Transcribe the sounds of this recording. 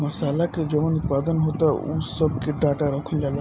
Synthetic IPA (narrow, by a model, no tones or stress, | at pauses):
mɐsalaked͡ʒɔmɔnut̪pad̪ɔnɦot̪aṵsɔb̚keɖaʈaɾɔkʰəld͡ʒala